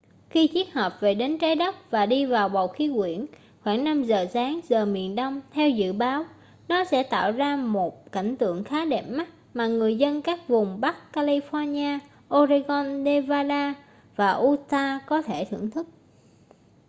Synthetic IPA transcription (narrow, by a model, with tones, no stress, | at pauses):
xi˧t͡ɕi˦˥ət̚həː˨˩p̚ve˨˩ɗe˨˦nt͡ɕaː˨˦jɗə˦˥p̚vaː˨˩ɗi˧vaː˨˩wɓə˨˩wxi˨˦kwḭ˧˩˨ən | xwaː˧˩ŋna˧mzəː˨˩saː˨˦ŋzəː˨˩mḭ˧˨ənɗə˧wŋ͡mt̪ʰɛ˧wzɨ̰˧˨ɓaː˨˦w | nɔ˨˦sɛ̰˧˥t̪a̰ː˧˨wzaː˧mo˨˩t̚ka˧˩jŋ̟t̪ɨ̰˧˨əŋxaː˨˦ɗɛ˨˩p̚ma˦˥t̚maː˨˩ŋɨ˨˩əjzə˧nkaː˦˥k̚vʊ˨˩ŋ͡mɓa˦˥kkaː˧li˧fɔ˧nɲaː˧ | ʔo˧zi˧ɣɔ˧nɗe˧vaː˧laː˧ | vaː˨˩ʔu˧t̪aː˧kɔ˨˦t̪ʰe˧˩t̪ʰɨ̰˧˩əŋt̪ʰɨ˦˥k̚